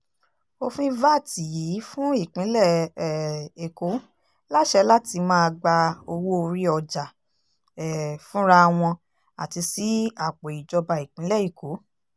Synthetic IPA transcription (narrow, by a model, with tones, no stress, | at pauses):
o˦˧fĩ˦va˦˨ti˨jiː˨˦fũ˦i˦˨k͡pĩ˨˦lɛ˦˨ | e˨ko˨˦ | la˦ʃɛ˧˦la˦ti˧mãː˦˧ɡ͡ba˧o˧wo˦o˧ɾi˦ɔ˧d͡ʒa˨ | ɛ˨fũ˦ɾa˦˧w̃ɔ̃˧ | a̰˨ti˧si˨˦a˨k͡po˨i˨d͡ʒɔ˧ba˧i˨k͡pĩ˨˦lɛ˦˨e˨ko˨˦